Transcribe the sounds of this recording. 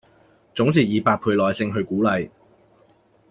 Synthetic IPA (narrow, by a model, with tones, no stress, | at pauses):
t͡sʊ˨˥ŋsʰiː˨˩jiː˨˧paː˧t̚pʰuː˧jlɔː˨jsɪ˧ŋɦɵ˧ɥkuː˨˥lɐ˨˧j